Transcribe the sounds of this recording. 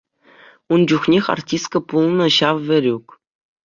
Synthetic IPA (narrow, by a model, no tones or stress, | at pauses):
und͡ʑuχnʲexʲɑ̰rtʲist̪̚kɤ̆pulˠnɤ̆ɕɑʋʋʲɘ̆ɾʲuk